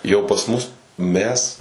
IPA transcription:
jɛʊ pɐs ˈmʊs ˈmʲɛs

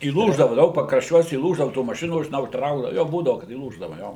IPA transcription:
iːˈlˠuːʒdɐʋɐ ˈdɐʊk pɐkrɐʃʲˈt͡ʃʲuɔs iːˈlˠuːʒdɐʋɐ tuː mɐˈʃʲɪnuː ʒʲɪˈnɐʊ ˈtrɐʊɡdɐʋɐ ˈjoː ˈbuːdɐʋʊ kɐt iːˈlˠuːʒdɐʋɐ ˈjoː

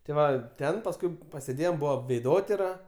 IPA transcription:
tʲɪ ˈʋɐ ˈtʲɛn pɐsˈkʊɪ pɐsʲeːˈdʲeːjoːm ˈbʊʋɐ ʋʲɛɪˈdoːtʲɪrɐ

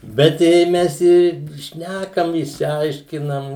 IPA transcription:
bʲɛt ˈjɛɪ ˈmʲɛs ɪr ˈʃʲnʲækɐm ɪʃʲsʲɪˈɐɪʃʲkʲɪnɐm

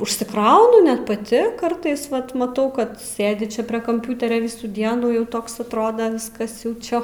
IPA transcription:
ʊʃʲsʲɪˈkrɐʊnʊ ˈnʲɛt pɐˈtʲɪ ˈkɐrtɐɪs ˈʋɐt mɐˈtɐʊ ˈkɐt ˈsʲeːdʲɪ ˈt͡ʃʲɛ ˈpʲrʲiɛ kɐmʲˈpʲʊtʲɛrʲoː ˈʋʲɪsuː ˈdʲiɛnuː ˈjɛʊ ˈtoːks ɐtˈroːdɐ ˈʋʲɪskɐs jɛʊ ˈt͡ʃʲɛ

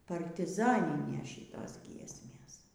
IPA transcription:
pɐrʲtʲɪˈzɑːnʲɪnʲeːs ˈʃʲiːtoːs ˈɡʲiɛsʲmʲeːs

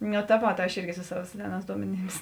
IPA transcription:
nʲʊ tɐ ˈʋoːt ˈɐʃ ˈɪrʲɡʲɪ sʊ ˈsɑːʋɐ ˈsʲæːˌnɑːs ˈduɔmʲɛˌnʲiːms

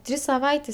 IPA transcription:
ˈtʲrʲiːs sɐˈʋɐɪtʲeːs

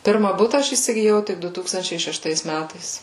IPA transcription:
ˈpʲɪrmɐ ˈbʊtɐ ˈɐʃ iːsʲɪɡʲɪˈjɛʊ ˈtʲɪk ˈdʊ ˈtuːkstɐnʲt͡ʃʲɛɪ ʃʲɛʃˈtɐɪs ˈmʲætɐɪs

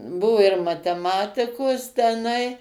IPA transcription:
ˈbʊʋʊ ɪr mɐtʲɛˈmɑːtʲɪkoːs tʲɛˈnɐɪ

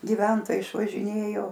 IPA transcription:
ɡʲɪˈʋʲɛntoːjɛɪ ɪʃʋɐʒʲɪˈnʲeːjoː

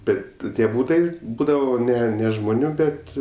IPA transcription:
ˈbʲɛt ˈtʲiɛ ˈbuːtɐɪ ˈbuːdɐʋoː ˈnʲɛ nʲɛ ʒmoːˈnʲuː ˈbʲɛt

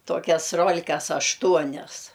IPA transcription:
ˈtoːkʲɛs ˈroːlʲkɐs ɐʃˈtuɔnʲɛs

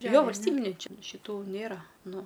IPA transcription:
ˈjoː ʋɐlʲsʲˈtʲiːbʲɪnʲɛɪ ˈt͡ʃʲɪ ʃʲɪˈtuː ˈnʲeːrɐ ˈnʊ

